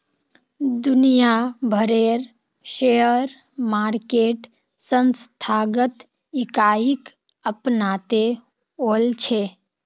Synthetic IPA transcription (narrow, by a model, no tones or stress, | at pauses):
d̪ʊnijabʱəɾeɾ | ʃejəɾ | maːɾkeːʈ | sənst̪ʰaːɡət̪ | ɪkaːik | əpnat̪e | olt͡ʃʰe